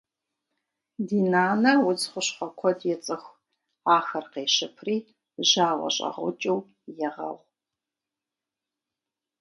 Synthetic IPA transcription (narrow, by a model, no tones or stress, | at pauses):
diːnaːnɐwʊt͡sχʷʊɕχʷɐkʷʰɔdjɛt͡sʼɨxʷ | aːxɐrqeːʃɪpʰriː | ʒaːʁɐ̰ɕʼɐ̰ʁʷʊt͡ʃʼɐw | jɛʁɐ̰ʁʷ